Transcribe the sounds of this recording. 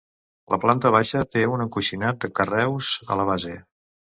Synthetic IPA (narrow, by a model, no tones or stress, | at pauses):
lə̰plant̪əβaʃət̪eunəkuʃinat̪̚d̪əkərɛwzə̰ləβ̞aze